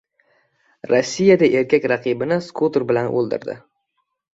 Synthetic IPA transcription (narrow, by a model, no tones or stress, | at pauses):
ɾosːijad̪aʔe̞ɾkʲʰakʲɾaqʰɨbɪnɪskʰut̪ɾbɪlanʔo̰lˠd̪ɪ̰ɾd̪ɪ̰